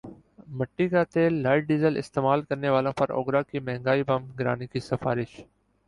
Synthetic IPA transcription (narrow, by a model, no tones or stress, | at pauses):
məʈːiːkaːt̪eːlːaːɪʈ̚ɖiːzəlɪ̰st̪eːmaːlkəɾneːʋaːlõːpəɾo̰ːɡɾaːkiːmɛ̃ɦɪ̃ŋɡaːiːbəmɡɾa̰ːniːkiːsəfaːɾɪʃ